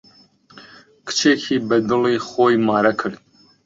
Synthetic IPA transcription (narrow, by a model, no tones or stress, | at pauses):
kʰɨ̥t͡ʃʰeːkʰiːbɛd̪ɨliːxoːjmɑːɾɛkʰɨɾd̪̚